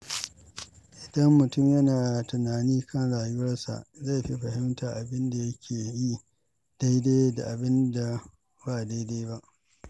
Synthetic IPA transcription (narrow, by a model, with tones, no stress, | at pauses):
ʔɪ˨dɐ˦mːʊ˨tʊ˦mjɐ˦naː˨tʊ˨naː˨niː˦kʰɐ˦nɽaː˨jʊ˦wɐ˦rsa̰˨ʔza˦˨ɸi˦ɸɐ˨hɪ˦mtʰaː˨ʔa˨bɪ˦nda˨jɐ˦kʲʰeː˨ji˦ | d̥a˦jda˦da˨ʔa˨bɪ˦nda˨ | baː˨da˦jda˦jba˦ʔ